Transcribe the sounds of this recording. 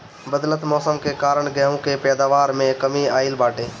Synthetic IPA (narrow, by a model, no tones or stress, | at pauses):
bəd̪lət̪mɔːsəmkekaːɾəɳɡɛɦũkepɛːd̪aːʋaːɾmẽkəmiaːɪlbaːʈeː